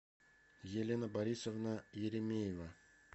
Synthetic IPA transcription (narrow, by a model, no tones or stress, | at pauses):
jelʲenabaɾʲisovnajeɾʲemʲejeva